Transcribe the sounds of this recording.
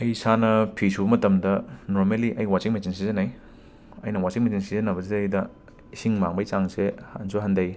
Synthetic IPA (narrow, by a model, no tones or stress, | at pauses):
ɐjsanɐpʰisubɐmɐtɐmdɐnoɾmaliʔɐjwat͡ʃiŋmet͡ʃinsizɐnɐj | ɐ̰jnɐwasiŋmet͡ʃinsizɐnɐbɐzieːjdɐ | isiŋmaŋbɐjsaŋseha̰nsuɦɐndɐj